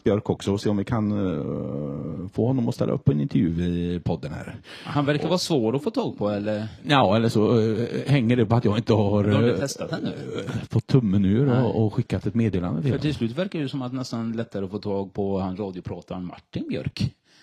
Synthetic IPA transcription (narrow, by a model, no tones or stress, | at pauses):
b̥jœɾkɔksɔɔseːɔmvɪkʰan | foːhɔnːɔmɔst̪ɛlːa̰ɵ̰pːɔɛnɪnt̪əɾjʉːɪpʰɔd̪ːənhæ̰ːɾ | hanvæɾkaɾvɑːsvoːɾɔfoːt̪ʰɑːɡ̚pʰɔɛlːəɾnaːɛlːəʂɔhɛŋːəɖɛpɔat̪jɑːɡɪnt̪əhaɾd̪adt̪ʰɛst̪at̪hɛnːʉːfɔt̪ʰːɵmːɛnʉːəɾɔɔɧɪkːat̪ɛt̪meːd̪eːla̰nd̪əfeːfœʈʰɪlslʉ̟ːt̪væɾkaɾjɵsɔmat̪nɛst̪anlɛt̪ːaɾəɔfoːt̪ʰɑːɡ̚pʰɔhanɾɑːd̪jʊpʰɾɑːt̪aɾnma̰ʈːɪnbjœ̰ɾk